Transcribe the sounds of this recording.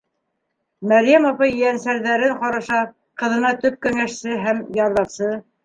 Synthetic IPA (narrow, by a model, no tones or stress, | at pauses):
mæɾjæmɑpɑjjænsæɾðæɾɘɴqɑɾɑʃɑ | qɤ̆ðɤ̆nɑt̪ɵp̚kæŋæʃsɘɦæmjɑɾlˠɑpsɤ